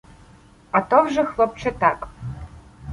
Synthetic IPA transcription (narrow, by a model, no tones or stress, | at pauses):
at̪ovʐɐxlˠɔp̚t͡ʃʰɐt̪ʰakʼ